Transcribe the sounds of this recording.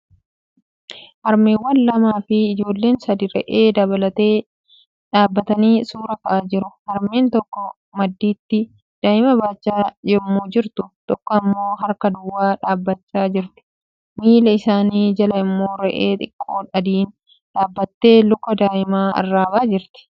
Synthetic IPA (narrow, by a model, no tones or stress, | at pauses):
hɐɾmeːwːɐnlɐmaːfɪːd͡ʒo̞ːlːe̞ːnsɐd̪ɪɾɛ̰ʔeːd̪ɐbɐlɐt̪eː | ᶑaːbːɐt̪ɐniːsuːɾɐkɐʔaːd͡ʒɪɾʊhɐɾme̞ːnt̪ɔkːɔ | mɐd̪ːiːt̪ːɪ | d̪̥aːɪmɐbaːt͡ʃːaːd͡ʒɛmːuːd͡ʒɪɾt̪ʊt̪ɔkːɔɐmːo̞ːɦɐɾkɐd̪ʊwːaːᶑaːbːɐt͡ʃːaːd͡ʒɪɾt̪ɪ̥ | miːlɐɪsaːniːd͡ʒɐlɐɪmːo̞ːɾɛʔeːt̪ʼɪkʼːoːᶑɐd̪iːn | ᶑaːbːɐt̪ːe̞ːlʊkːɐd̪aːʔɪmaːɐ̰rːaːbaːd͡ʒɪɾt̪ɪ̥